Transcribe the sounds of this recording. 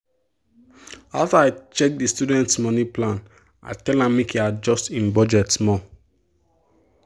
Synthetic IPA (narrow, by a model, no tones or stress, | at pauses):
aftaaɪt͡ʃɛk̚distudɛ̃ntsmɔniplãn | a̰tɛlãmekjad͡ʒɔstĩnbɔd͡ʒɛtsmɔ̃